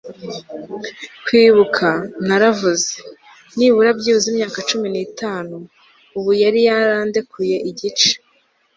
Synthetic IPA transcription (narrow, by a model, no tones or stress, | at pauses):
kwiːβukʰanaɾavuze | niβuɾabɟiːuzimɲaːkat͡ʃuminiːtaːnuː | βujaɾijaɾaːndekʰuje̞ʔiɟit͡ʃe̥